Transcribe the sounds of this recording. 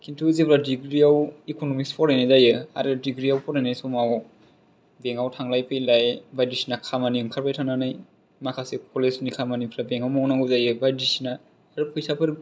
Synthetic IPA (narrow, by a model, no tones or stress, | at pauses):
kʰintʰuzepʰɾadiɡɾiawikonomispʰɔɾajnɯzajɯa̰ɾɯdiɡɾijawpʰɔɾajnajsomaw | beŋawtʰaŋlajpʰɯjlajbajdisinakʰamaniɯŋkʰaɾpajtʰaŋnanɯj | makʰasekʰolesnikʰamanipʰɾabeŋawmaŋnaŋɡuzajɯbajdisinaː | ɾɯpʰɯjsapʰɯɾ